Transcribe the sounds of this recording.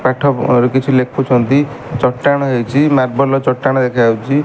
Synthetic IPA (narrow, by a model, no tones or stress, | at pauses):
paʈʰɔɾkit͡ʃʰulekʰut͡ʃʰɔnt̪i | t͡ʃɔʈːaɽ̃ɔɦewt͡ʃʰimaɾ̚bɔlɔt͡ʃɔʈːaɽ̃ɔd̪ekʰawt͡ʃʰi